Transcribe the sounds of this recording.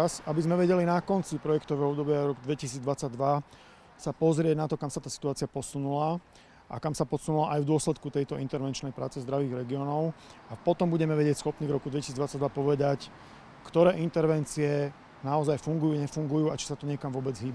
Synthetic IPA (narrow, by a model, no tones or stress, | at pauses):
asabizmɛʋɛɟɛlinakɔnt͡sipɾɔjɛkt̪ɔʋɛːɦɔɔbd̪ɔbɪaɾɔkɡd̪ʋɛcisiːd͡zd̪ʋat͡saɟ̚d̪ʋa | sapɔzɾɪɛɟnat̪ɔkamsat̪aːsi̥t̪uaːt͡sɪapɔsunula | ʔa̰kamsapɔsunulaʔajvd̪ʊɔslɛt̪kut̪ɛjt̪ɔint̪ɛɾʋɛnt͡ʃnɛjpɾaːt͡sɛzd̪ɾaʋiːɣɾɛɡiɔːnɔʊapɔt̪ɔmbuɟɛmɛʋɛɟɪɛcsxɔpniːvɾɔkud̪ʋɛcisiːd͡zd̪at͡saɟd̪ʋapɔʋɛd̪ac | kt̪ɔɾɛːʔint̪ɛɾʋɛnt͡siɛ | naɔzajfuŋɡujuːɲɛfuŋɡujuːat͡ʃi̥sat̪ɔɲɛkamʋʊɔbɛd͡zɦiːba